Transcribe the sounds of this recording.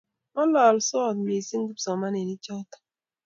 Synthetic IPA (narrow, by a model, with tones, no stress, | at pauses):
mɔ˦lɔ˨lsɔ˦˨tme˨si˦ŋ˦ɡu˦psɔ˨ma˦ne˨ni˦t͡ʃɔ˦tḁ˨